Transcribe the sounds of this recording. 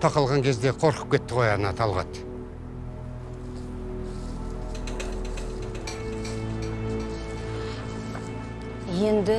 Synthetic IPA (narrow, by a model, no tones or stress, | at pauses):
t̪ʰɑqɑlˠʁɑŋkʲʰe̞zd̪e̞qʰo̞ɾqə̥p̚kʲʰe̞t̪ːɪqʰo̞jɑnɑt̪ʰɑlˠʁɑ̰t̪ | jend̪ɪ